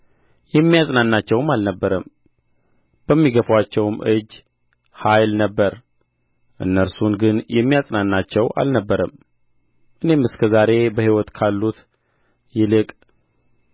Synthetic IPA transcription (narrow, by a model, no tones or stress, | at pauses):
jɛmːijasʼnanːat͡ʃːɛwmalnəbːəɾəm | b̥əmːiɡəfwat͡ʃːɛwmʔɨd͡ʒː | hajlnəbːəɾ | ʔɨ̰nːəɾsunɡɨnjɛmːijasʼnanːat͡ʃːɛwʔa̰lnəbːəɾəm | ʔɨne̞mɨskʰəzaɾe̞bəhiwɔt̪kʰalːut̪ | jɪlɨkʼ